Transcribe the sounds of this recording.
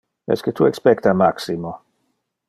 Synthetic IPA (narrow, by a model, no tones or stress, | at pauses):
ɛ̰sket̪ʰuɛkspɛkt̪amaksimo